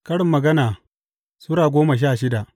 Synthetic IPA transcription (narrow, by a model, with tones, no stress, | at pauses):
kɐ˦ɽɪ˨mːɐ˨ɡɐ˦naː˨ | sʊ˦ɽaː˨ɡʷoː˦ma˨ʃ̬aː˦˨ʃɪ˦da˨ʔ